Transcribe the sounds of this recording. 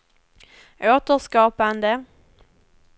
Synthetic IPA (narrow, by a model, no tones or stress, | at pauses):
ʔoːt̪əʂkɑːpand̪ə